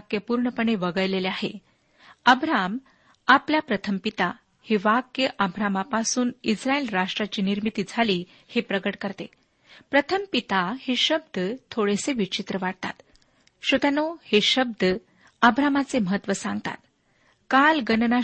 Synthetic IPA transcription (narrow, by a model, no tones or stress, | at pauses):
kjəpuɾɳəpəɳeʋəɡəjleleaɦḛ | əbɾam | apljapɾət̪ʰəmpit̪a | heʋakjəʔəbɾamapasuːnisɾaelɾaʂʈɾat͡ɕiːniɾmit̪iːd͡zʱaliː | hepɾəɡəʈkəɾt̪e | pɾət̪ʰəmpit̪aheɕəbd̪ət̪ʰoɽeseʋit͡ɕit̪ɾəʋaɽ̚t̪a̰t̪ | ɕod̪anoheɕəb̚d̪ə | əbɾamat͡seməɦət̪ːʋəsãŋɡt̪a̰t̪ | kalɡənna